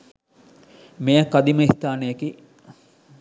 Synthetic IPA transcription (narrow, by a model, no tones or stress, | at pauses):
mejakːad̪iməist̪aːnəjeki